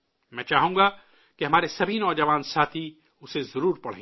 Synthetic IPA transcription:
mɛ̃ːt͡ʃaːɦũːɡa | keɦɐmaːɾesɐbʱinɔːd͡ʒɐʋaːnsaːt̪ʰi | ʊsezɐɾuːɾpɐɽ̤ḛ̃ː

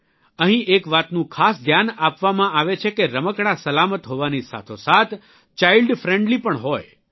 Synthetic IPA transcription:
əɦĩʔekʋat̪nũkʰasd̪ʱjanapʋamãaʋet͡ʃʰekeɾəməkɳ̃asəlamət̪ɦoʋanisa̰t̪ʰosat̪ʰ | t͡ʃailɖfɾeɳɖlipəɳɦoj

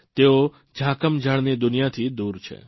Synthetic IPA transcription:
t̪eo | d͡ʒʱakəmd͡ʒʱaɽned̪ʊnijat̪ʰid̪uɾt͡ʃʰḛ

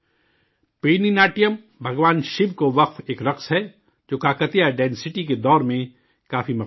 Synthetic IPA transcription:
peːninaːʈijəm | bʱɐɡʋaːnʃɪbkoʋɐqfeːkɾɐqsɦɛ | d͡ʒoːkaːkət̪ijaɖɛ̃ːnsɪʈiked̪ɔːɾmẽ | kaːfimɐ

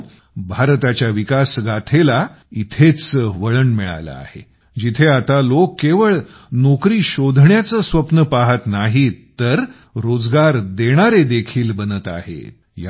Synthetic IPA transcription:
bʱaɾt̪at͡ɕjaʋikasɡat̪ʰela | it̪ʰet͡st͡səʋəɭənmiɭa̰jla̰a̰hḛ | d͡ʑit̪ʰeat̪alokːeʋəɭ | nokɾiːɕod̪ʱɳjat͡səsʋəpnəpaɦət̪naɦit̪ːəɾ | ɾod͡zɡaɾd̪eɽ̃aɾed̪ekʰiːlbənət̪a̰ɦḛ | ja

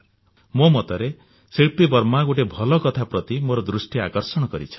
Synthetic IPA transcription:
momɔt̪ɔɾe | siɭpibɔɾmaɡuʈ̬ebʱɔlɔkɔt̪ʰapɾɔt̪imoɾɔd̪ɾusʈiakɔɾsɔɽ̃ɔkɔɾḭt͡ʃʰɔ̥

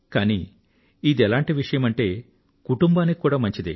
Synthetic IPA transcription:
kaːni | id̪iɛlaːɳʈiʋiʂɐjɐmɐɳʈe̞ː | kuʈumbaːnːikikːuːɽaːmɐɲt͡ʃid̪i

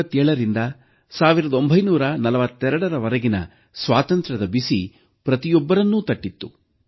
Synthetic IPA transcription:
ɐt̪ːɛːɭɐɾind̪ɐ | saːʋiɾɐd̪ɐo̞mbʱɐjnuːɾɐnɐlɐʋɐt̪ːɛɾɐɽɐɾɐʋɐɾɐɡinɐ̰ | sʋaːt̪ɐnt̪ɾɐd̪ɐbisi | pɾɐt̪ijɔbːɐɾɐnːuːt̪ɐʈːit̪ːu

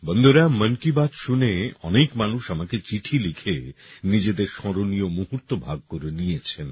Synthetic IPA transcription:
bɔnd̪oɾamːənkibad̪ʃuneɔ̰nekmanuʃamaket͡ɕiʈʰilikʰenid͡ʑed̪eɾʃɔɾonijomuɦuɾt̪obʱaɡ̚koɾenijet͡ɕʰen

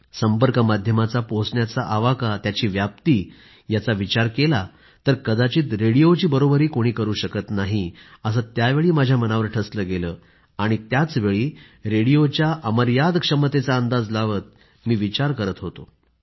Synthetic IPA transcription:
səmpəɾkəmad̪ʱjəmat͡saposɳjat͡saʔaʋakat̪jat͡ɕiːʋjap̚t̪iː | jat͡saʋit͡ɕaɾkela | t̪əɾkəd̪at͡ɕiːt̪ɾeɽijot͡ɕiːbəɾobəɾiːkoɽ̃iːkəɾuːɕəkət̪naɦiəs̬ət̪jaʋeɭiːmad͡ʑʱjamənaʋəɾʈʰəsləɡeləː | aɽ̃it̪jat͡sʋeɭiː | ɾeɽijot͡ɕjaʔəməɾjad̪kʂəmət̪et͡saənd̪ad͡zlaʋət̪̚ | miːʋit͡ɕaɾkəɾət̪ɦot̪o

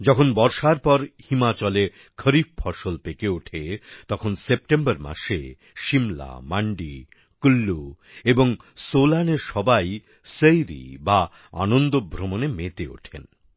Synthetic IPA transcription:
d͡ʑɔkʰonbɔɾʃaɾpɔɾhimat͡ɕɔle | kʰəɾiffʰɔʃolpekeoʈʰet̪ɔkʰonsep̚ʈembəɾma̰ʃe | ʃimla̰maɳɖi | kulːu | eboŋsolaneɾʃɔbaj | səjɾḭba | anond̪obʱɾomonemet̪eo̰ʈʰḛn

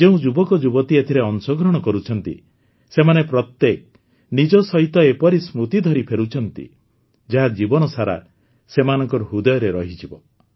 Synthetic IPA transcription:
d͡ʒeũd͡ʒubɔkɔd͡ʒubɔt̪iet̪ʰiɾeɔnsɔɡɾɔɽ̃ɔkɔɾut͡ʃʰɔnt̪ḭ | semanepɾɔt̪ːek̚ | nid͡ʒɔsɔɦit̪ɔepɔɾismɾut̪id̪ʱɔɾipʰeɾut͡ʃʰɔnt̪ḭ | d͡ʒaɦad͡ʒibɔnɔsaɾa̰ | semanɔŋkɔɾɔɦud̪ɔjɔɾeɾɔɦid͡ʒʰibɔ

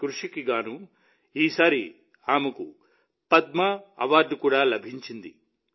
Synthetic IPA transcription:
kɾuʂikiɡaːnu | iːsaːɾi | aːmɐku | pɐd̪̚mɐɐʋaːɾɖukuːɽaːlɐbʱiɲt͡ʃind̪ḭ

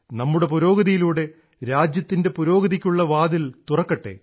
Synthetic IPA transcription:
nɐmːuɽe̞puɾo̞ːɡɐðijiluːɽe̞ | ɾaːd͡ʑjɐt̪ːinde̞puɾo̞ːɡɐðikʲːuɭːɐʋaːd̪ilt̪urɐkːɐʈːe̞̰ː

